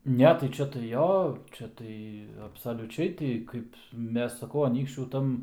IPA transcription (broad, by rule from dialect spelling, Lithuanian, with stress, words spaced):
ˈnʲɛ tɐɪ ˈt͡ʃʲɛ tɐɪ ˈjoː ˈt͡ʃʲɛ tɐɪ ɐpsɐlʲʊˈt͡ʃʲɛɪ ˈtʲɪ ˈkɐɪp ˈmʲɛs sɐˈkɐʊ ɐˈnʲiːkʃʲt͡ʃʲuː ˈtɐm